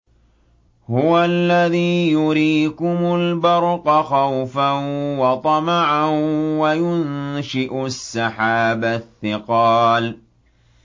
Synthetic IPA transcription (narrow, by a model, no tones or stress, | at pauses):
hʊwalːaðiːjʊɾiːkʊmʊlbɑɾˤqɑxawfawɑt̪ˤɑmɑʕawajʊnʃɪʔʊsːaħaːbaθːɪqɑːl